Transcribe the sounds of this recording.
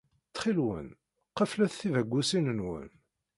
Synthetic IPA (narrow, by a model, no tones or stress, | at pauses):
t͡sːχilwə̰n | qəflæθθivæɡʷːusinənwə̰n